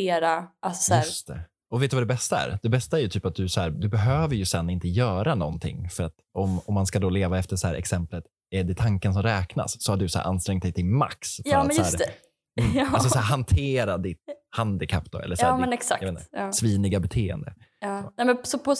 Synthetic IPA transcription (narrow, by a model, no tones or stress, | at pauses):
eːɾaʔḁsjæɵːst̪ʰɛ̰ | ɔveːt̪d̪ɵvad̪ɛbɛst̪aæ̰ɾd̪̥ɛbɛst̪aæɾjɵt̪ʰyːpat̪̚d̪ɵshæːɾd̪ɵbɛɦøːvəɾjɵsɛnːɪnt̪əjœːɾanɔ̰nt̪ʰɪ̰ŋːfœɾat̪ɔmɔmːanskad̪oːleːvaɛft̪əʂɔhæːɾʔɛ̰ksɛmplət̪ | ɛɖɛt̪ʰaŋkəns̬ɔmɾɛːkna̰sːɔhaɖɵsɔæ̰ɾʔa̰nst̪ɾɛŋt̪d̪ɛjt̪ʰɪlma̰ksfɾːasjɵæːɾɛ | asɔssæːɾɦant̪ʰeːɾad̪ɪt̪̚hand̪ɪkʰapd̪̥ɔ̰ɛ̰lːsːmɛnɛksa̰kjaenːsviːnɪɡabɛt̪ʰeːɛ̰nd̪ə̰ɑːnɛmɛsɔpʰɔ